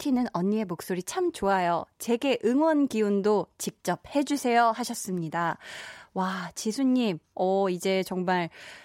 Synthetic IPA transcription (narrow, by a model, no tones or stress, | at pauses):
tʰinɯnʌɲːie̞mok̚s͈oɾit͡ɕʰamt͡ɕoajot͡ɕe̞ɡe̞ʔɯŋwʌnɡiundot͡ɕik̚t͡ɕ͈ʌp̚he̞d͡ʑusʰe̞jʌɦaɕʰʌs͈ɯmɲidawat͡ɕisʰuɲːimʌid͡ʑe̞t͡ɕʌŋmaɭ